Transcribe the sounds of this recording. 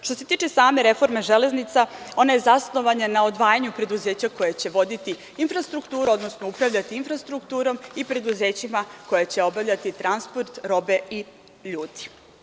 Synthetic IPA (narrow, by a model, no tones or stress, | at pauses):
ʃt̪ose̞t̪iːt͡ʃe̞saːme̞ɾe̞fo̞ɾmeʒele̞znit̪sao̞naje̞zasno̞ʋaɲanao̞d̪ʋaːjaɲupɾe̞d̪uzeːt͡ɕako̞jet͡ɕe̞ʋo̞d̪it̪i | infɾast̪ɾukt̪uːɾuo̞d̪no̞snoupɾaʋʎat̪iinfɾast̪ɾukt̪uːɾo̞mipɾe̞d̪uze̞ːt͡ɕimako̞jet͡ɕe̞o̞bavʎat̪it̪ɾanspo̞ɾt̪ɾo̞be̞i | ʎuːd̪i̥